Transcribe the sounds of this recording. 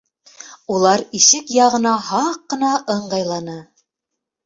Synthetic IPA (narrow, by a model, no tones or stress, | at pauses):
ulˠɑɾiʃɘkjɑʁɤ̆nɑhɑqːɤ̆nɑʔɤɴɢɑjlˠɑnɤ